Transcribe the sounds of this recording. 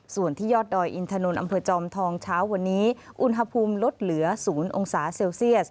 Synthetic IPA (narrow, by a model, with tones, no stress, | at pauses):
su˨˩ənt̪ʰiː˥˩jɔː˥˩t̪̚dɔː˧jʔi˧nt̪ʰa˧no˧nʔa̰˧mpʰɤː˧t͡ɕɔː˧mt̪ʰɔː˧ŋt͡ɕʰaː˦˥wːa˧nːiː˦˥ | ʔu˧nɦa˧pʰuː˧mlo˦˥t̪̚lɯ˩˦ɐsuː˩˦nʔo̰˧ŋsaː˩˦se˧wsi˥˩ət̚